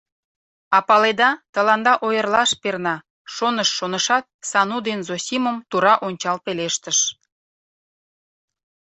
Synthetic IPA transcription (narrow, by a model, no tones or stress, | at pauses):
ɑpɑled̪ɑt̪əlɑnd̪ɑʔojərlɑʃpernɑ | ʃonəʃːonəʃɑt̪̚sɑnud̪enzosʲiməmt̪uɾɑʔonʲt͡ɕɑlpeleʃt̪əʃ